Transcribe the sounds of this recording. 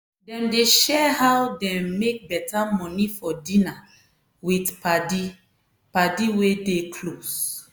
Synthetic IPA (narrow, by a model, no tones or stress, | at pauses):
dɛ̃mdeʃɛhawdɛ̃mːek̚bɛtamɔ̃nifɔdĩna | witpadi | padiwedekʰlos